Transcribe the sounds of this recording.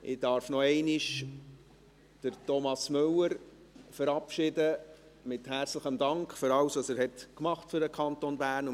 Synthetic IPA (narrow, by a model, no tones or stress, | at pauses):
ʔɪdɑːɾfnɔɛɪnɪʃ | d̥əɾtɔmɑsmʏləɾ | fəɾɑpʃɪdə | mɪthæɾt͡sləχəmdɑŋkχfʏɾɑlwsɑsɛːɾhɛtkmɑχtfʏɾdəkʰɑntonbæːɾnʊ